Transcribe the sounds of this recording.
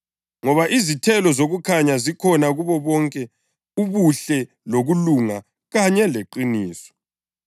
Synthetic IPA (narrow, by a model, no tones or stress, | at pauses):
ŋɔβaʔizitʰɛlɔzoɣukʰaɲazikʰɔnaɣuβɔβɔŋkʼɛ | uβuɬɛ | loɣuluŋa | ɣaɲɛleǃiniːsɔ̥